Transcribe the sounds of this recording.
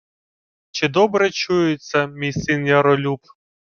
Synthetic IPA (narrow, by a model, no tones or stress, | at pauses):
t͡ʃɪd̪ɔbɾɛt͡ʃujɪt͡sʲːɐmʲijsɪnjɐɾɔlʲup̚